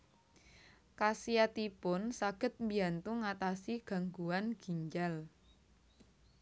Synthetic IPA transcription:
kasiat̪ipʊnsaɡ̥ə̤t̪̚mbiant̪uŋat̪asiɡ̥a̤ŋɡuwanɡ̥i̤ɲd͡ʒal

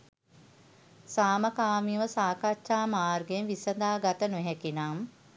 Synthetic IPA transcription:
saːməkaːmiʋəsaːkatʃaːmaːrɡenʋisəd̪aːɡat̪ənuɦɛkinam

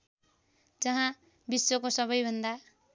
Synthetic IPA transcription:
d͡zʌɦã | bisːokosʌβʌjbʱʌnd̪a

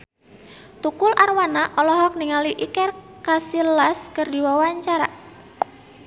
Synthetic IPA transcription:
t̪ukʊlʔarwanaʔɔlɔɦɔk̚niŋaliʔikɛr | kasilaskərdiwawaɲt͡ʃaɾaʔ

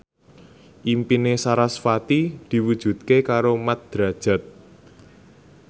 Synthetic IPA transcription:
ʔimpinesaɾasfat̪id̪̥i̤wud̥ʒ̥ṳt̪̚kekaɾomat̪̚d̪̥ɾa̤d̥ʒ̥a̤t̪̚

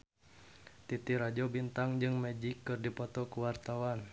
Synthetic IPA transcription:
t̪it̪iɾad͡ʒɔbint̪aŋd͡ʒɨŋmɛd͡ʒikːɨrdipɔt̪ɔkuwart̪awan

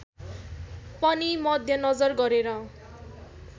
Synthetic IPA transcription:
pʌnimʌd̪ʱjʌnʌd͡zʌrɡʌɾeɾʌ

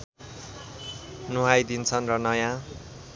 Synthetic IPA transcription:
nuɦajd̪int͡sʰʌnrʌnʌjã

